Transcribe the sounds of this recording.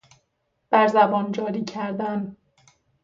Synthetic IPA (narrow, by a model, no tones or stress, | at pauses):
b̥æɾzæbɒːnd͡ʒɒːɾiːcʰæɾd̪æn